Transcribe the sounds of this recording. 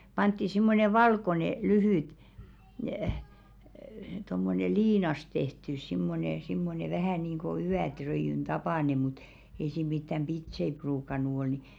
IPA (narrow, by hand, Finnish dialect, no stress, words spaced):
pɑntːi simːone ʋɑlkone lyhyˑt tomːone liːnɑs tehtys simːone simːone ʋæhæˑ niːŋɡ̊o yætrøijyn tɑpɑˑne mut ei siˑm mitːæm b̥itsei pruːkɑnˑu ol ni